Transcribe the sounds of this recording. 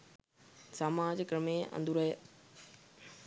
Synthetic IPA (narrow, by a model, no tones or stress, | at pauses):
saːmaːd͡ʑkɾəmeɐ̰̃nd̪ʱuɾɐɦeː